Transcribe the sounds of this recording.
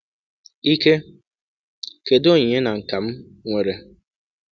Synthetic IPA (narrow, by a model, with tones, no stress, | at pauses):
i˦ke˦ | ke˨do˦˨ɲe˦na˨ŋ̩˨ka˨m̩˦ | ŋʷe˨ɾe˨